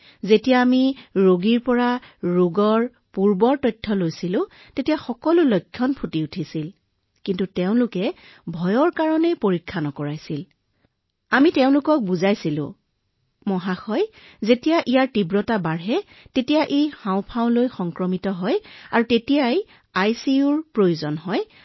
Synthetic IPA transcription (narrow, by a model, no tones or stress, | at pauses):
zetijaːmiɹoɡiɹpɔɹaɹuɡɔɹ | puɹbɔɹtɔjtʰːɔlojsilʊ̃ | tetijaxɔkɔlʊlɔjkʰːjɔnpʰutiutʰisil | kintutɛʊ̃lʊkɛ | bʱɔjɔɹkaɹɔnɛjpoɹikʰːanɔkɔɹajsil | amitɛʊ̃lʊkɔk̚buzajsilʊ̰̃ | mɔɦaxɔj | zetijaʔijaɹtibɹɔtabaɹɦɛ | tetijaʔexãʊ̃pʰãʊ̃nlojxɔŋkɹɔmitɔɦɔjaɹutetijaj | ajsiuɹpɹojuzɔnɦɔj